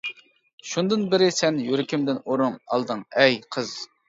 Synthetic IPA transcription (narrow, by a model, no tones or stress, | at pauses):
ʃund̪ɨnbɪɾɪsɛnjyɾɪkʲʰimd̪ɪnoɾumɑ̰lˠd̪ɨŋɛjqʰəz̥